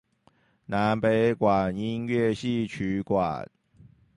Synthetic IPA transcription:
na˨˦npe˨˦ɪkwa˨˩ni˦nɥɛ˥˧ɕi˥˨t͡ɕʰy˨˦kwa̰˨˩n

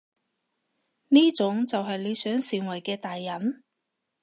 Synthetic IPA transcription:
niː˥t͡sʊ˨˥ŋt͡sɐ˨wɦɐ˨jle˨˧jsœː˨˥ŋsiː˨ŋwɐ˨˩jkɛː˧t̪aː˨jːɐ˨˥n

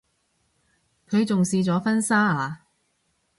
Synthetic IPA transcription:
kʰɵ˨˧ɥt͡sʊ˨ŋsiː˧t͡sɔː˨˥fɐ˥nsaː˥aː˨˧

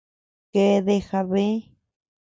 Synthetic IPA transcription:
ke˧˦˧ðe˧xa˧βe˦

